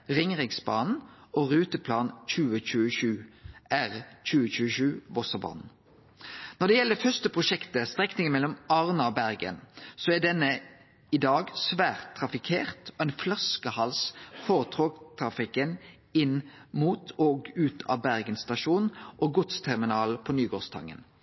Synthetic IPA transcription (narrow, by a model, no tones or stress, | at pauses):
ʁɪŋʁɪɡsbɑ̰ːnn̩oʁʉːt̪əpʰlɑːnc͡çʉːəc͡çʉːəʃʉːʔæʁc͡çʉːəçʉːəʃʉːʋɔsəbɑ̰ːnn̩ | nɔʁd̪ɛjɛlːəfœʁst̪əpʰʁʊʃɛkt̪əst̪ʁɛknɪŋənmɛlːɔmɑʁnɑɔbæʁɡə̰nsoæɖ̪ɛnːə | ɪd̪ɑːɡsʋæːʁt̪ʰːɾɑfɪkʰeːʁt̪ɔæɪnflɑskəhɑlsfɔʁt̪ʰʁoːɡt̪ʰɾɑfɪkən | ɪnmuːt̪ʰɔːɡʉːt̪ʰɑ̰ːbæʁɡənst̪ɑʃuːnʔoɡʊt̪st̪ʰæʁmɪnɑːlpʰɔnyːɡoːʁst̪ʰɑ̰ŋːə̰n